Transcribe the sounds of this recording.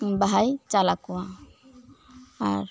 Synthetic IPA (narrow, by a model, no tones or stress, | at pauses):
baɦajt͡ʃalakɔwa | aɾ